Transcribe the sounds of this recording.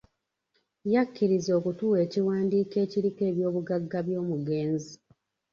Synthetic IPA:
jakːiɾizo̞ːkutuːwe̞ːciwaːndiːke̞ːciɾike̞ːβjo̞ːβuɡaɡːaβjo̞ːmuɡeːnzi

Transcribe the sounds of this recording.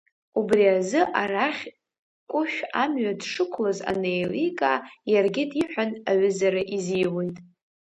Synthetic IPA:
ubriazɨʔaraχʲ | kʷʼʊʃᶣamɥadʂɨkʷʰlaza̰nejlikʼajarɡʲɪdiħʷᶣanaɥɨzaɾaʔiziwe̞jtʼ

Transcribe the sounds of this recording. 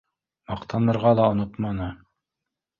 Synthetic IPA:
mɑqt̪ʰɑnɤ̆ɾʁɑlˠɑŏnot̪mɑnɤ

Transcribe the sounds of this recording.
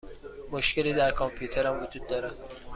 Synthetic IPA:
moʃkʰeliːd̪æɾkʰɒmpʰjuːt̪ʰeɾæmvod͡ʒuːd̪̚ːɒːɾæ

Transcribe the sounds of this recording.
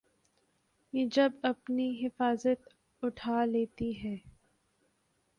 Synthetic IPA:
jed͡ʒɐbɐpniɦɪfaːzət̪ | ʊʈʰaːleːt̪iɦɛː

